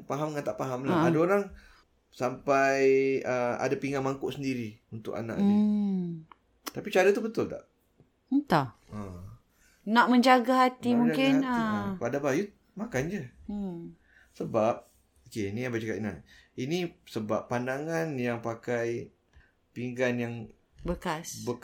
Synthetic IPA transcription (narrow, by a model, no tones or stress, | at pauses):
paɦamŋant̪aʔpaɦamlaadaoɾaŋ | sampajəa̰dapiŋamaŋkʊʔsəndiɾiunt̪ʊ̰ka̰nã̰ʔi | t̪apit͡ʃaɾat̪ubət̪ʊlt̪a̰ʔ | t̪a | ə | naʔmə̃ɲd͡ʒaɡaɦat̪imuŋkɪnəpadabaju | makand͡ʒə | səbap̚ | okeniabat͡ʃaka̰t̪inainĩsəbapːandaŋanjaŋpakaj | piŋɡanjaŋ | bəkasbək